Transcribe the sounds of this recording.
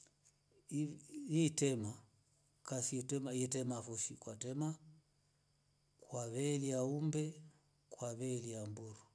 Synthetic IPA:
initɛma | kasitɛmaɛtɛmafuʃikwatɛma | kwaβɛliaumbɛ | kwaβɛliambuɾu

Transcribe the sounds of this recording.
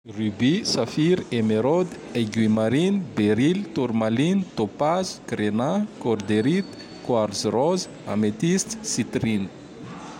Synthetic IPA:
rybisafiɾemeɾod̪ | eɡwimaɾinbeɾilt̪uɾmalinit̪opaz̥kɾenakoɾd̪eɾit̪ | kwaɾzrɔz | a̰met̪ist̪sit̪rini̥

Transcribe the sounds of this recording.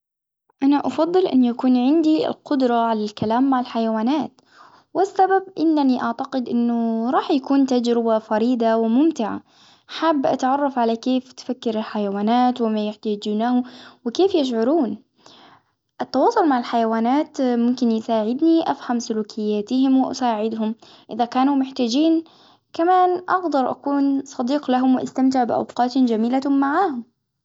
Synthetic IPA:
ʔanaʔɑfɑðˤːɨlʔɪ̰nːjakuːnʕɪnd̪ḭlqʊd̪ɾˤɑʕalalkalaːmːaʕɪlħajawaːnaːt̪ | wɪsːababʔɪnːaniʔaʕt̪aqɪd̪ʔɪnːʊɾˤɑːħjakuːnt̪ad͡ʒɾɪbafɑɾiːd̪awɪmʊmt̪ɪʕa̰ | ħabːʔa̰t̪ʕɑrˤːɑfʕalakeːft̪fakːɪɾɪlħajawaːnaːt̪wɪmajʊħt̪aːd͡ʒuːnahʊwɪkeːfjɪʃ̬ʕʊɾuːn | ʔɪt̪ːɑwɑːsˤʊlmaʕɪlħajawaːnaːt̪mʊmkɪnjɪsaːʕɪd̪niʔafhamsʊluːkʰɪjːaːt̪ɪhɪmwɪʔa̰saːʕɪd̪hʊm | ʔɪðakaːnumʊħt̪aːd͡ʒiːn | kamaːnʔɑɡd̪ɑɾˤʔa̰kuːnsˤɑd̪iːqlaɦʊmwɪʔa̰st̪amt̪ɪʕbɪʔa̰wqɑːt̪d͡ʒamiːlamːaʕaːhʊm

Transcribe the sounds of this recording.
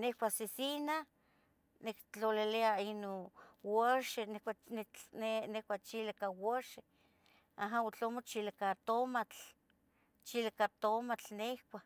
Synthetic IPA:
nehkʷasisina | nekt͡ɬoleleainowoʃenekʷaneenehkʷat͡ʃilakawoʃe | aɦaot͡ɬomot͡ʃilakat̪omat͡ɬ | t͡ʃilakat̪omat͡ɬnehkʷa

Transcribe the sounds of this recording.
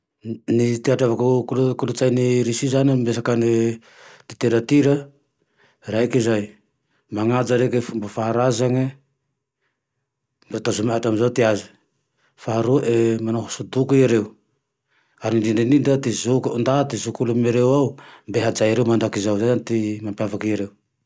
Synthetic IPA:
nitiataβakukulkulut͡ʃajniɾisizanembes̬akane | diteɾatiɾa | ɾajkizaj | maŋad͡ʒaɾekembafahaɾazaŋe | mbetosumatamzawtiazi | fahaɾuaʔemanohosudukujeɾew | aɾidindinindatizukundatizukulumeɾewawmbeɦad͡ʒajɾewmandakizawd͡ʒaantimapiavakieɾew

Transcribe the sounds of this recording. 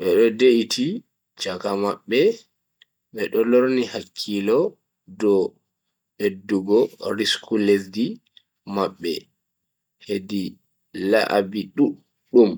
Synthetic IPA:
ɓɛɗɔdeʔitʰi | t͡ʃakamaɓːɛ | ɓɛɗɔloɾnihakʰːilɔ | dɔ | ɓedːuɡɔɾiskʰuledi | maɓːɛ̰ | hedi | la̰ʔa̰biɗu | ɗum

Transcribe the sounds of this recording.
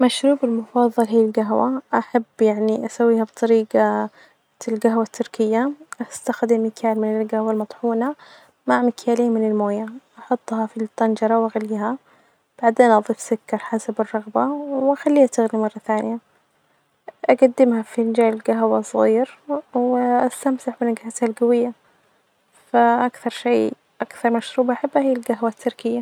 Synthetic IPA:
maʃɾuːbɪlmʊfɑðˤːɑlɦiːlɡaɦwaʔaħabːjaʕniʔasawːiːhab̚t̪ˤɑɾiːɡa | lɡaɦwat̪ʰːʊɾkɪjːaʔast̪axd̪ɪmːɪkʰaːlmɪnɪlɡahwalmɑt̪ˤħuːna | maʕmɪkʰjaːliːmɪnɪlmoːjaʔɑħʊt̪ˤːhɑfit̪ˤːɑnd͡ʒɑɾˤɑwʔaɣaliːɦa | b̥aʕd̪eːnʔɑðˤiːfsʊkːɑɾˤħasabɪrˤːɑɣbawwʔaxalːiːhat̪ɪɣnimɑrˤːɑθaːnɪja | ʔaɡad̪ːɪmhafind͡ʒaːlɪlɡaɦwasˤɣiːɾwɪʔast̪amt̪aħbɪnaɡhat̪halɡawɪjːa | faʔakθɑɾˤʃeː | ʔakθɑɾˤmaʃɾuːbʔaħabːahiːalɡaɦwat̪ʰːʊɾkɪjːa

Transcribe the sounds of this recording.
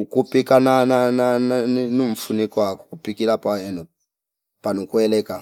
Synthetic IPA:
ukupikanananananoɱ̩funikɔakɔ̥kupikilapaɛnɔ | panokuɛlɛːka

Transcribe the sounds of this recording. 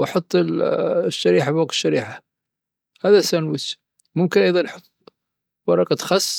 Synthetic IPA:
ʔɑħʊt̪ˤː | ʃːaɾiːħabwɑq̪̚ə̥ʃːaɾiːħa | haðasanwɪs | mʊmkɪnʔɑjðˤɑnʔħʊt̪ˤː | wɑɾˤɑqɑt̪xɑsˤː

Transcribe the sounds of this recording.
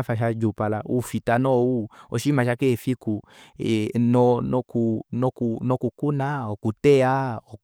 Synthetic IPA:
faʃad͡ʒupalaufitanɔuɔʃimaʃakefiku | nɔnɔkunɔkunɔkukunaɔkutɛaɔ

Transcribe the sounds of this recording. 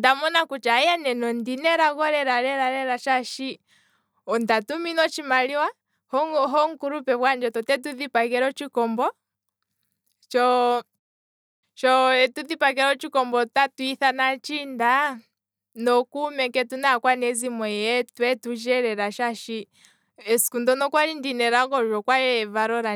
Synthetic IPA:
damɔnakut͡ʃajanɛnɔndinɛɾaɣɔɾɛɾaɾɛɾaɾɛɾaʃaʃi | ɔndatuminɔt͡ʃimaliwa | hɦɔŋ̩kuɾupɛβwand͡ʒɔtɔtɛt̬uðipakɛɾɔt͡ʃikɔmbɔ | t͡ʃɔ | t͡ʃɔɛtuðipak̬ɛɾɔt͡ʃikɔmbɔtatuiθanat͡ʃinda | nɔkumɛkɛtunakwanɛzimwɛjɛtwɛtud͡ʒɛɾɛɾaʃaʃi | ɛskundɔnɔkwaɾindinɛɾaɡɔʒɔkwajɛvaɾɔɾa

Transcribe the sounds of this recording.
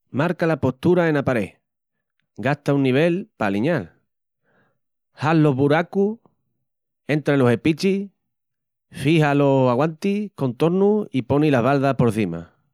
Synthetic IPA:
maɾkalapo̞st̪uɾae̞napaɾe̞̰ | ɡaht̪aunːiβ̞e̞lpaliɲal | halːo̞ɦβuɾaku | e̞nt̪ɾalo̞se̞pit͡ʃi | fihalo̞saɣwant̪iko̞nt̪o̞ɾnuipo̞nilaβalðahpo̞ɾθima̰

